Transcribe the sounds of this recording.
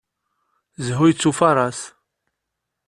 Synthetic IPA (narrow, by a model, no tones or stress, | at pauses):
zɦujət͡sːufɑɾˤɑs